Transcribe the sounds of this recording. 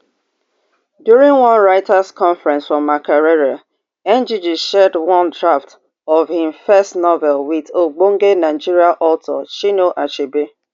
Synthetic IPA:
djuɾĩŋɡwʌ̃nɹaɪtaskɔ̃ɱfɹɛ̃nsfɹɔ̃mːakaɾɛɾa | ɛ̃nd͡ʒid͡ʒiʃɛdwʌ̃ndɹaft | ɔvhɪ̃mfɛstnɔvɛlwɪðoɡ͡boŋ̩ɡenaɪd͡ʒiɾiaʔɔltɔt͡ʃinoʔat͡ʃibe

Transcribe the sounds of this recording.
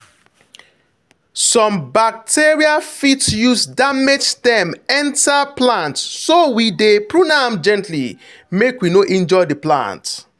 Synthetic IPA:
sɔ̃mbak̚tʰeɹiafitjusdamed͡ʒdɛ̃mɛ̃ntaplãntsowidepɹunãmd͡ʒɛ̃ntli | mekwinoʔɛ̃nd͡ʒɔɪdiplã̰nt

